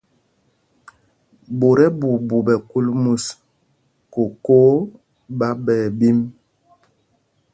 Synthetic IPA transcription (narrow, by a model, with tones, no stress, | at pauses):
bo˨ɾɛ˦bu˨bu˨bɛ˨ku˦lmu˦s | ko˨ko˦ | ba˦bɛː˨bi˦m